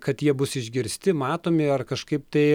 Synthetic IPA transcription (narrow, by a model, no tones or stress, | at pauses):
kɐt̪jiɛbʊsɪʒʲɡʲɪɾʲsʲt̪ʲɪmɑːt̪oːmʲɪɐrkɐʃkɐɪpt̪ɐɪ